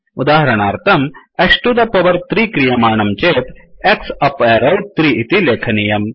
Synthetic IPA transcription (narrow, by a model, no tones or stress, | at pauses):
ud̪aːɦɐɾɐɳaːɾt̪ɐmɐʂʈud̪ɐpɐʋɐɾt̪ɾiːkɾijɐmaːɳɐmt͡ɕeːt̪eksɐpeːɾɐwt̪ɾiːʔit̪ileːkʰɐnijɐm